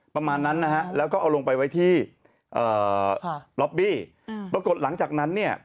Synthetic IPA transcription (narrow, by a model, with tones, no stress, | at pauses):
pɾa˧maː˧nːa˦˥nːa˦˥ha˦˥ʔlɛː˦˥wkɔː˥˩ʔa˧wlo˧ŋpa˧jwa˦˥jt̪ʰiː˥˩ | ʔɤː˨˩ | lɔ˦˥p̚biː˥˩ | pʰɾa˧ko˨˩t̪̚la˩˦ŋt͡ɕaː˨˩k̚na˦˥nːi˥˩ɐ